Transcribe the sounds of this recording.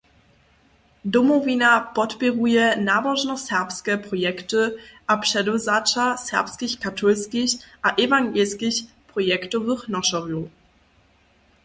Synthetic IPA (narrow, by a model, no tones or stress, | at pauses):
dɔmɔvʲinapɔtpʲɛʁujɛnavɔʐnɔsɛʁpskɛpɾɔjɛktɨʔapʂɛdɔzat͡ʂasɛ̰ʁpskʲixkatʰɔlskʲixʔaʔɛvaŋɡɛlskʲiç | pɾɔjɛktɔvɘxnɔʂɔʁju